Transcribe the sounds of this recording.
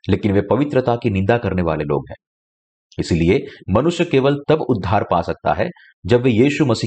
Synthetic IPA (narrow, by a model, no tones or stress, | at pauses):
leːkɪnʋepɐʋɪt̪ɾət̪akinɪ̃nd̪akɐɾneʋa̰ːlelo̰ːɡɦɛ̃ː | ɪsiliemɐnʊʃjəkeːʋəlt̪ɐbʊd̪ʱːaːɾpaːsɐk̚t̪a̰ɦɛ̰ | d͡ʒɐbʋejiːʃumɐsiː